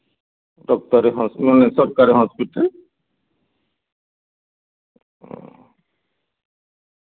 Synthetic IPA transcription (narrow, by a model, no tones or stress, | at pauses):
dɔk̚t̪ɔɾeɦɔ̃smanesɔɾkaɾeɦɔ̃spit̪e